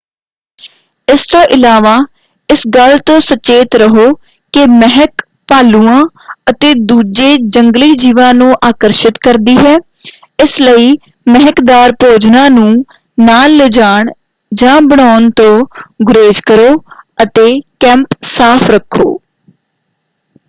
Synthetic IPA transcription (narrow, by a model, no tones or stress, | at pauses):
ɪst̪õːʔɪlaːʋaː | ɪsɡəlt̪õːsət͡ʃeːt̪ɾəɦoː | kɪmɛɦək | paːluːãː | ət̪eːd̪uːd͡ʒeːd͡ʒəŋɡliːd͡ʒiːʋãːnũːʔaːkəɾʃɪt̪kəɾd̪iːɦɛː | ɪsləiː | mɛɦəkd̪aːɾpɾoːd͡ʒnãːnũː | naːlːed͡ʒaːɳ | d͡ʒãːbəɽaːnt̪õːɡʊɾeːd͡ʒkəɾoːət̪eːkɛ̃ːmpsaːpʰɾəkʰːo̰ː